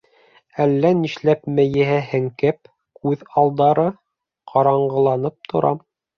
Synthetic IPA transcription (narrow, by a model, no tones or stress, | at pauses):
ælːæniʃlæpmɘ̆jɘ̆ɦæhɘŋkɘp̚ | kʉðɑlˠd̪ɑɾɤ | qʰɑɾɑɴɢɤ̆lˠɑnɤp̚t̪ʰŏɾʔɑm